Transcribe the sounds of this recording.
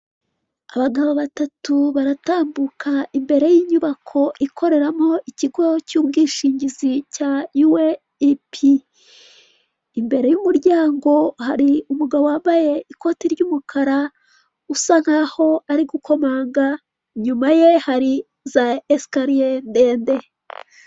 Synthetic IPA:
aβaɡaβoβatatuβaɾataːmbukʰaimbe̞ɾe̞jiɲuβakʰo̞ʔikʰo̞ɾe̞ɾamo̞ʔiciɡo̞cuːbɡiːʃiːɲɟizicaiwe | ipʰi | mbe̞ɾejumuɾɟaːŋɡo̞haɾiumuɡaβoaːmbaje̞iko̞tiɾɟuːmukʰaɾa | usaŋ̥haho̞aɾiɡukʰo̞maːŋɡa | ɲumaje̞haɾi | zaeskaɾiende̞ːnde̞

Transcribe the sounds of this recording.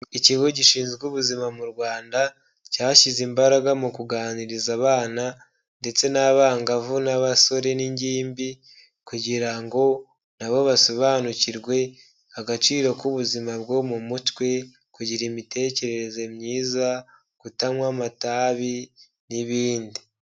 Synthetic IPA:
iciɡo̞ɟiʃiːnzɡuβuzimamuɾwaːnda | caːʃizimbaɾaɡamukuɡaːniɾizaβaːna | nde̞t͡se̞naβaːŋɡavunaβaso̞ɾe̞niɲɟiːmbi | kuɟiɾaŋɡo̞ | naβo̞βaso̞βaːnuciɾɡwe̞ | aɡat͡ʃiːɾo̞kuβuzimabɡo̞mumutwe̞ | kuɟiɾimite̞ːce̞ɾe̞ɾe̞ze̞mɲiːza | ɡ̥utamwamataːβi | niβiːndi

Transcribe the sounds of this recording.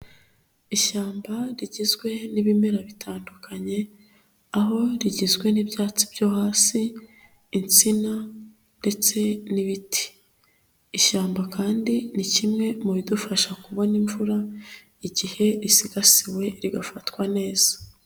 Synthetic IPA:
iʃaːmbaɾiɟizɡwe̞niβimeɾaβitʰaːndukʰaɲe̞ | aɦo̞ɾiɟizɡwe̞nibjaːt͡sib̥joːhaːsiː | nt͡sina | nde̞t͡se̞niβitʰi̥ | iʃaːmbakaːndinicimŋe̞muβidufaʃakuβo̞niɱvuɾa | iɟihe̞ɾisiɡasiwe̞ɾiɡafatwane̞ːz̥ḁ

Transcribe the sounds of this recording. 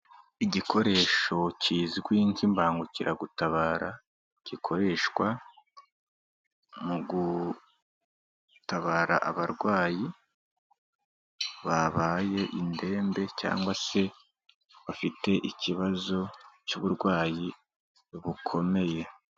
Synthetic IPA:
iɟikʰo̞ɾe̞ːʃo̞ciːziɡwiːɲt͡ʃimbaːŋɡuciɾʔaɡutaβaːɾa | cikʰo̞ɾe̞ːʃkwa | muɡu | taβaːɾa̰ʔaβaɾɡwaːji | βaβaːje̞ʔinde̞ːmbe̞ca̰ːŋɡwase̞ | βafite̞ʔiciβazo̞t͡ʃuːβuɾɡwaːji | βukʰo̞me̞je̞

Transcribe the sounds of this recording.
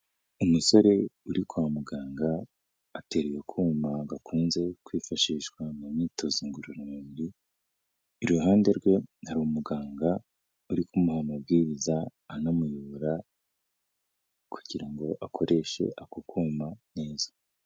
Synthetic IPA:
umuso̞ɾe̞uɾikuwamuɡaːŋɡaː | te̞ɾejokʰuːmaɡakʰuːnze̞kwiːfaʃiːʃkwamumitʰoziŋɡuɾoɾimiβiɾiː | ɾuɦaːnde̞ɾɡwe̞haɾumuɡaːŋɡa | uɾikumuhamubɡiːɾizaːnamujuɾa | kʰu̥ɟiɾaŋɡo̞ʔakʰo̞ɾe̞ʃe̞̰ʔakokʰuːmane̞ːzḁ

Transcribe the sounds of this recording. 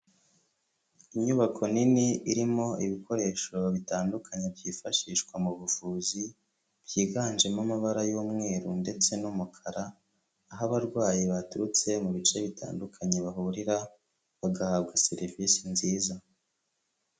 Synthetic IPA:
iɲuβakʰo̞niniiɾimo̞iβikʰo̞ɾe̞ːʃo̞βitaːndukʰaɲebjiːfaʃiːʃkwamuβufuːzi | b̥jiːɡaːnʒe̞mamaβaɾajuːmŋe̞ːɾunde̞t͡se̞numukʰaɾaː | ɦaβaɾɡwaːjiβatuɾut͡se̞muβit͡ʃe̞βitʰa̰ːndukʰaɲeβaɦuɾiɾa | βaɡahaːβɡaseɾvisinziːza

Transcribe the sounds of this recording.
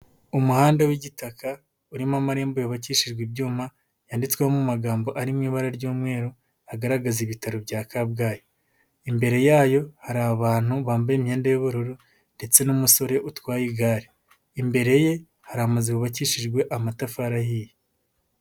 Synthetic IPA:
umuhaːndawiɟitaka | uɾimamaɾeːmbojoβaciːʃiʒɡwibjuːma | jaːndit͡swehomumaɡaːmbo̞ʔaɾimŋiːβaɾaɾɟuːmŋe̞ːɾo | aɡaɾaɡaziβitaɾobɟaːkab̚ɡaːjo | imbe̞ɾe̞jaːjo̞haɾaβaːn̥huβaːmbajemheːndejoβuɾuɾo | nde̞t͡se̞numuso̞ɾe̞ʔutwaːjiɡaːɾeː | mbe̞ɾe̞je̞ | haɾamazekuβaciʃiʒɡwe̞ʔamatafaɾahiːje

